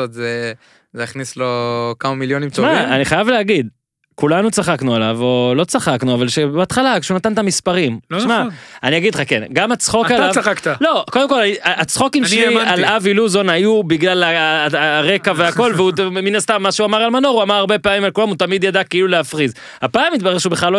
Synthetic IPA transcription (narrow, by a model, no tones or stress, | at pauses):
ot̪ze | zeaχnislo̞kamamiljonimt͡somaaniχajavleaɡid̪ | kulanut͡saχaknualavolo̞t͡saχaknuavalʃebeat̪χalakeʃeunat̪ant̪amispaʁimʃmaaniaɡid̪lχakenɡamat͡sχo̞kalavaakt̪alo̞ko̞d̪emko̞laiaat͡sχo̞kimʃalaviluzo̞najubiɡlala | ʁe̞kaveako̞lveuminast̪amːaʃeuamaʁalmanoʁuamaʁaʁbe̞paːmimalkulamut̪amid̪jad̪akeiluleafʁiz | hapaːmːit̪̚baʁeχʃeubeχlalːo